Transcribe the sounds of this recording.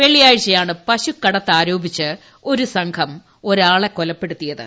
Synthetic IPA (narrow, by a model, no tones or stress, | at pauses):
ʋe̞ɭijaːɻɕɐjaːɳɨpɐɕukːɐɽɐt̪ːaːɾo̞ːbit͡ɕːɨ | o̞ɾusɐŋkʰɐm | o̞ɾaːɭekːolɐpːe̞ɽut̪ːijɐðɨ̰